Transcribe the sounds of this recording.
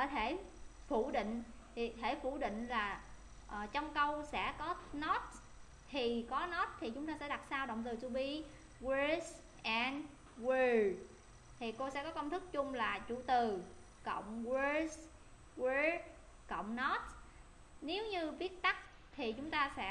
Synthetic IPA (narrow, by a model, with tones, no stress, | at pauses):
kɔ˨˦t̪ʰe˧˩ | fu˧˩ɗḭ̈˧˨ŋ̟ | t̪ʰi˨˩t̪ʰe˧˩fu˧˩ɗḭ̈˧˨ŋ̟laː˨˩ | ʔːt͡ɕɔ˧wŋ͡mkə˧wsɛ̰˧˥kɔ˨˦nɔ˦˥t̚ | t̪ʰi˨˩kɔ˨˦nɔ˦˥t̚t̪ʰi˨˩t͡ɕʊ˨˦ŋ͡mt̪aː˧sɛ̰˧˥ɗa˨˩t̚saː˧wɗo̰˧˨wŋ͡mt̪ɨ˨˩t͡ɕ̪u˧ɓi˧ | we˧s | ʔɛ˧n | wi˧ | t̪ʰi˨˩ko˧sɛ̰˧˥kɔ˨˦kə˧wŋ͡mt̪ʰɨ˦˥k̚t͡ɕʊ˧ŋ͡mlaː˨˩t͡ɕṵ˧˩t̪ɨ˨˩ | kə̰˧˨wŋ͡mwə˧s | we˧ | kə̰˧˨wŋ͡mnɔ˦˥t̚ | ne˨˦wɲɨ˧vi˦˥ət̚t̪a˦˥k̚ | t̪ʰi˨˩t͡ɕʊ˨˦ŋ͡mt̪aː˧sɛ̰˧˥